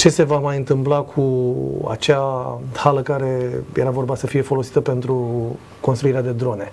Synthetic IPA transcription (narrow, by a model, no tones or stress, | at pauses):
t͡ʃe̞se̞vamajɨnt̪ɨmplakʰua̰t͡ʃahaləkaɾe̞je̞ɾavo̞rbasəfije̞fo̞lo̞si̥t̪əpe̞nt̪ɾu | ko̞nst̪ɾuiɾead̪e̞d̪ɾo̞ne̞